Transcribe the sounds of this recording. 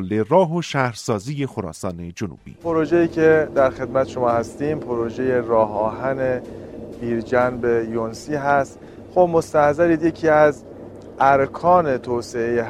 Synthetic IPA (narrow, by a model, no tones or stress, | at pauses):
lːerɒːɦoʃæhɾsɒːziːjexoɾɒ̰ːsɒːne̞d͡ʒonṵːb̥ḭːpʰoɾod͡ʒejiːcʰe̞d̪æɾxe̞d̪̚mæt̪ʰeʃo̞mɒːhæst̪iːmpʰoɾod͡ʒe̞je̞ɾɒːɦɒːɦænebiːɾd͡ʒænbejonsiːɦæst̪ | xobmost̪æhzæɾiːd̪je̞cʰiːæz | æɾkʰɒːne̞t̪ʰoːseeje